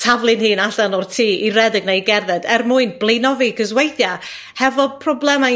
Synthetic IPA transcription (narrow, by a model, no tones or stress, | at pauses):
tʰavlˠɨnhiːnaɬanɔrtʰiːirɛdɪɡnejɡɛrðɛdɛrmʊɨnblˠejnɔviɡəzwejθja | hɛvɔpʰrɔblˠɛma